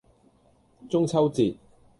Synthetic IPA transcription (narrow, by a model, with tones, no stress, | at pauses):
t͡sʊ˥ŋt͡sʰɐ˥wt͡siː˨t̚